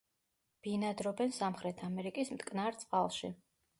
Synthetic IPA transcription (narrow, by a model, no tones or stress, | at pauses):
b̥inad̪ɾɔbɛnsamχɾɛt̪ʰamɛɾikʼismt̪ʼkʼnaɾt̪sʼqʼalˠʃḭ